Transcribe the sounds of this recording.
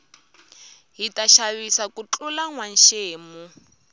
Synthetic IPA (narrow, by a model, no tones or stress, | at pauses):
ɦitaʃaβisakut͡ɬulaŋwan̩ʃeːmu